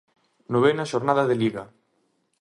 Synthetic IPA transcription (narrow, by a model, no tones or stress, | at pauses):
noβenaʃoɾnaðaðeliɣa